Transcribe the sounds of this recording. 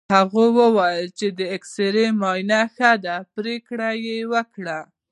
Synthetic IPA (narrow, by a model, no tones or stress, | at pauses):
haɣowəwajəlt͡ʃed̪əekseɾemɑjnaxad̪apɾekɽajewəkɽa